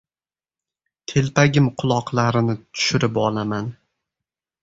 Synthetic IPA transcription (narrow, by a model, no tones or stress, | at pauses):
t̪ʰe̞lpaɡʲɪmqʰʊlˠɒqlˠaɾɪnɪt̪ʰʊ̥ʃɪɾɪpɒ̰laman